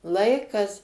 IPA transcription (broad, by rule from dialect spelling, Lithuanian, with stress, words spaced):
ˈlˠɐɪkɐs